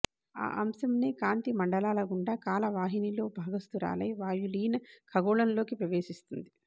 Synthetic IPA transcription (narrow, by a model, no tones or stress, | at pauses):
a̰ːʔɐmsɐmneːkaːnt̪imɐɳɖɐlaːlɐɡuɳɖaːkaːlɐʋaːɦinilo̞ːbʱaːɡɐst̪uɾa̰ːlɐjʋaːjuliːnkʰɐɡɔːɭɐnlo̞ːkipɾɐʋeːʃist̪und̪i